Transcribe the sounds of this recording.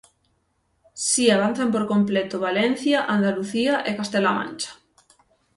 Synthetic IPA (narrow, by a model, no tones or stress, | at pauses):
siaβ̞an̟θampoɾkomplet̪oβalen̟θjaʔand̪aluθiaʔekast̪elamã̰nt͡ʃḁ